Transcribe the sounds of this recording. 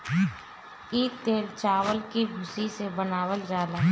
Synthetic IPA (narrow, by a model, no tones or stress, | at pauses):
iːt̪eːlt͡ʃaːwəlkibʱʊsisebənaːwəld͡ʒaːlaː